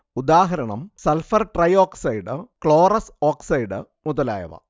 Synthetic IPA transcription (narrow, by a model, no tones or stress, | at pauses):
ud̪aːɦɐɾɐɳɐmsɐlfɐrʈrɐjoːksɐjɖɨkɭoːrɐsoːksɐjɖɨ | muðɐla̰ːjɐ̰ʋɐ̰